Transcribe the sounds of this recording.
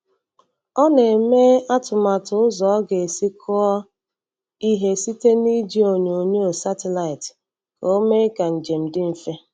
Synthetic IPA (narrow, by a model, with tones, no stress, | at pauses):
ɔ˦ne˨me˦a˦tʊ˨ma˨tʊ˨˦ʊ˦zɔ˨˦ɡe˨e˨si˦kʰʊ˦ɔ˦ | i˦ɦe˦si˦te˦ni˦d͡ʒi˦o˨ɲo˨ɲe˦o˨sa˦te˨la˨ɪ˨t | ko˦me˦ka˨n̩˨d͡ʒe˨m̩˨dɪ˦m̩˨fe˦